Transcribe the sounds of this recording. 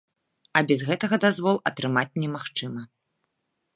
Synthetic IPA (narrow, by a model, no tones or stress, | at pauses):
ɐbʲɛzɣɛt̪ɐɣɐd̪azvɔlˠɐt̪ɾɨmat͡sʲnʲɛmaxt͡ʂɨmɐ